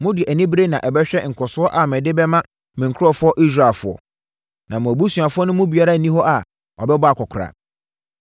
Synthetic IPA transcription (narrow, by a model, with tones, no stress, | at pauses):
mʊ̃˦dɪ˨ʔæ˨nĩ˦bɾe˦nã˨ʔɛ˨bɛ˦ɕᶣɛ˦ŋ̩˨kʰɔ˨sʊ˦ɔ˦ʔa˨mɪ̃˨dɪ˦bɛ˦mã˦ | mɪ̃˨ŋ˨kʰʊ˦ɾɔ˦fʊ˦ɔ˦ʔi˦s̬ɾa˨lfʊ˨ɔ̰˨ | nã˨mʊ̃˨æ˨bu˦su˨a˨fʊ˦ɔ˦nʊ̃˦mʊ̃˦bi˨a˦ɾa˦˨nĩ˦hɔ˦ʔa˨ | ɔ˨bɛ˦bɔ˦a˨kʰɔ˨kʰɾa̰˨